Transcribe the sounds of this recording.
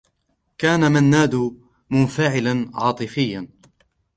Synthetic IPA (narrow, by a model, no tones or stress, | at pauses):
kaːnamanːaːd̪ʊ | mʊnfaʕɪlanʕɑːt̪ˤɨfɪjːan